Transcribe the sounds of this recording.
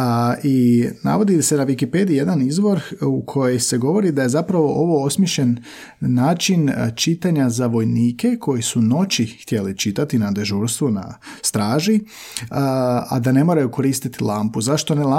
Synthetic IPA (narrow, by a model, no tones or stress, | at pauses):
ina̰ʋo̞d̪ise̞naʋikipe̞d̪ije̞d̪anizʋo̞ɾukʰo̞je̞jse̞ɡo̞ʋo̞ɾid̪aje̞zapɾaʋo̞ʔo̞ʋo̞osmʲjeʃʎe̞nː | aːt͡ʃint͡ʃit̪aɲazaʋo̞jniːke̞kʰo̞jisuno̞t͡ɕixt̪je̞lit͡ʃit̪at̪inad̪e̞ʒuːɾst̪ʋuna̰st̪ɾaːʒi | a̰d̪ane̞moɾajuko̞ɾiːst̪it̪ilˠaːmpuzaʃt̪o̞nela